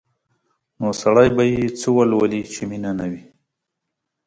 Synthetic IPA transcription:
nosaɽajbajet͡səwalwalit͡ʃeminanawi

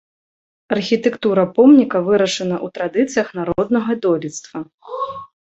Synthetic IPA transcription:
ɐrxʲit̪ɛkt̪uɾɐpɔmnʲikɐvɨɾɐʂɐnɐʔut̪ɾad̪ɨt̪sɨjɐxnaɾɔd̪nɐɣɐd̪ɔlʲit̪st̪vɐ

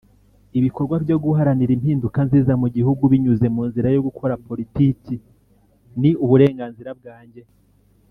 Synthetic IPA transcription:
iβiko̞ɾɡwabjo̞ɡuɦaɾaniɾimhiːndukanziːzamuɟihuɡuβiɲuze̞muːnziɾajo̞ɡukʰo̞ɾapo̞ɾitiːci | niuβuɾe̞ːŋɡaːnziɾab̚ɡaːɲɟe̞

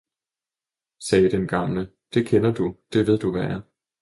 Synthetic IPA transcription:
sɛːd̥enɡ̥ɑ̈mlə | d̥e̝kʰenɐd̥ud̥e̝ʋe̝ð̞̰ˠd̥uʋææɐ

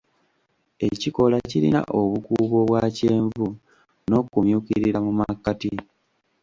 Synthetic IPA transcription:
e̞ciko̞laciɾḭna̰ʔoβukuːβo̞βwaːce̞ːɱvu | no̞kumjuːkiɾiɾamumakːati

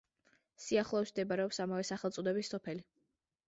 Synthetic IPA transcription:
siaχlˠɔɛsmd̪ɛbaɾɛɔpsamavɛsaχɛlt̪sʼud̪ɛbisːɔpʰɛli

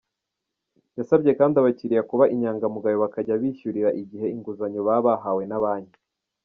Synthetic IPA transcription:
jasabɟe̞kaːndiaβaciɾijakuβaʔiɲaːŋɡamuɡajoβakaɟaβiʃuɾiɾaʔiɟiɦe̞iŋɡuzaɲoβaːβaɦawe̞naβaːɲi

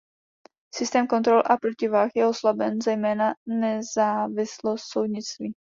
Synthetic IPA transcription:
sɪst̪ɛːmkont̪ɾolʔapɾocɪvaːxjɛoslabɛnzɛjmɛːnanɛzaːvɪslost̪sowd̪ɲɪt͡st̪viː

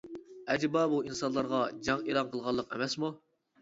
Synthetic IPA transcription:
ɛd͡ʒbɑbuinsɑnlˠɑɾʁɑd͡ʒɑŋelˠɑnqʰəlˠʁɑlˠːəqɛmɛsmu

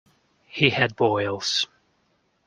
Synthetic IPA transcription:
hiɨd̚bɔɪlˠz̥

